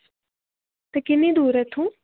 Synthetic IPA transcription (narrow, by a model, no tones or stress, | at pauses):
t̪ɐkɪnid̪uːɾɛt̪ʰũ